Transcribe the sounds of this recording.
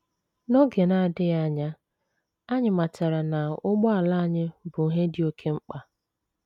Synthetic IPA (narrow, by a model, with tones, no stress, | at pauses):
nɔ˦ɡe˨na˨dɪ˦ja˦˨ɲa˦ | a˦ɲɪ˨ma˨t͡ʃa˨ɾa˨na˨ʊ˦ɡ͡bɔ˦a˨la˦a˨ɲɪ˦bʊ˨ɦe˦dɪ˦o˦kʰe˦ŋ͡m̩˦k͡pa˨